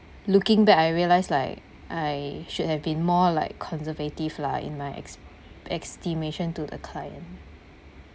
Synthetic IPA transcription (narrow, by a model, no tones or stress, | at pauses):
lukɪ̃ŋbɛkaɪɹiəlaɪslaɪk | ʔaɪʃud̚hɛvbĩnmɔlaɪkʰːɔ̃nsəvetivlaḭ̃nmaɪɛ̰ | ɛkstimeʃə̃ntudə̰kʰlajə̰̃n